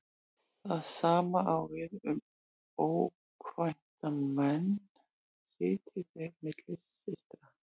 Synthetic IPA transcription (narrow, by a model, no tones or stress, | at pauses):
θaðsaːmaʔawvɪðʏm | oːw | kʰvajn̥t̪amɛn | sɪːt̪ʰɪvɛɾmɪt̪lɪsːɪst̪ɾa